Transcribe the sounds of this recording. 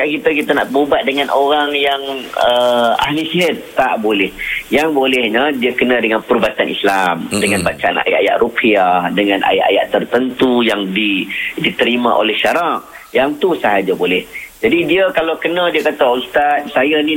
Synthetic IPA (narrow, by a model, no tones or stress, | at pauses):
kaʔkit̪əkit̪ana̰ʔəmubat̪̚dəŋanʔoɾaŋjaŋəa̰hlisiɦət̪̚ːaʔbolɛhjaŋbolɛhɲədiəkənãdəŋanpəɾubat̪anḭslamdəŋanbat͡ʃaa̰na̰jaʔaja̰ʔrupʰiadəŋanʔa̰ja̰ʔa̰ja̰ʔt̪ərt̪ənt̪ujaŋdidit̪əɾimã̰ʔo̰lɛhʃaɾaʔ̚ | jaŋt̪usəɦad͡ʒabolɛhd͡ʒadidiəkalakənãdiəkat̪aust̪at̪̚sajanĩ